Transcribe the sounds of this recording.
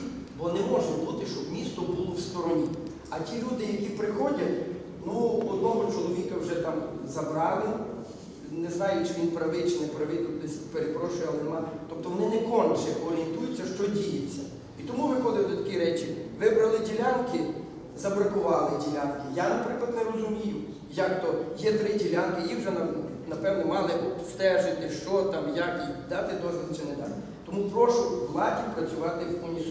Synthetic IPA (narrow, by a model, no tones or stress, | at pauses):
bɔnɛmɔʒnɛbut̪ɪʃt͡ʃɔbmʲist̪ɔbulˠɔwst̪ɔɾɔnʲi | ɐtʲilʲud̪ɪjɐkʲipɾɪxɔdʲɐtʲ | nuɔd̪̚nɔɦɔt͡ʃɔlˠɔʋʲikɐwʒɛt̪ɑmzɐbɾɑlˠɪ | nɛznɑjʊt͡ʃɪʋʲinpɾɐʋɪt͡ʃɪnɛpɾɐʋɪt̪ʲnɪsʲpeɾepɾɔʃʊjɛɐlˠnemɑt̪ɔp̚t̪ɔʋɔnɪnɛkɔnʲt͡ʃɛʔɔɾʲent̪ujʊt͡sʲːɐʃt͡ʃɔdʲijɐt͡sʲːɐ | it̪ɔmuʋɪxɔd̪ɪld̪ɔt̪ɐkʲiɾɛt͡ʃiʋɪbɾɐlˠɪdʲilʲankɪ | zɐbɾɐkʊʋɑlˠɪdʲilʲankɪjanɐpɾɪklˠɐd̪nɛɾɔzʊmʲijʊ | jakt̪ɔjɛt̪ɾɪdʲilʲankɪiwʒɛnɐ | nɐpɛʋnɔmɑlˠɪʔɔbst̪ɛʒɪt̪ɪʃt͡ʃɔt̪ɑmjakid̪ɑt̪ɪd̪ɔzʋɪlˠɪt͡ʃɪnɛd̪ɑ | t̪ɔmupɾɔʃʊmɑtʲipɾɐt͡sʲʊʋɑt̪ɪwkɔnʲis